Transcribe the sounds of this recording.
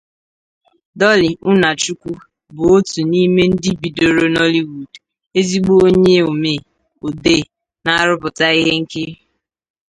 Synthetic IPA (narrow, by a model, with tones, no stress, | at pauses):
dɔ˦li˨ʊ˦na˨t͡ʃu˦kʷu˦ | bʊ˨o˦tu˨ni˦me˦n̩˦dɪ˦bi˨do˨ɾo˨nɔ˦li˦wu˨d | e˦zi˦ɡ͡bo˦o˦ɲe˦o˨me˨ | o˨de˦˨ | na˦˨ɾʊ˦bʊ˨ta˦i˦ɦe˦ŋ̩˦kɪ˦ɾ